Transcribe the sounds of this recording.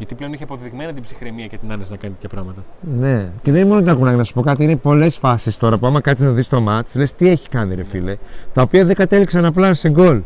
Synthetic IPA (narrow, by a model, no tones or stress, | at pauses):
ʝɐt̪iple̞o̞niçeɐpo̞ðiɣmenɐt̪ibsi̥xɾemiɐcet̪inɐnesnɐkɐnit̪t̪çɐpɾɐɣmɐt̪ɐne̞ce̞ðenimo̞not̪ɐkunɐɣnɐsu̥po̞kɐt̪̬iine̞po̞le̞sfɐsist̪o̞ɾɐpuɐmɐkɐt̪iznɐðist̪omɐt͡sle̞st̪ie̞çi̥kɐniɾefilet̪ɐopiɐðe̞ɡɐt̪e̞liksɐnɐp̬lɐseŋɡo̞l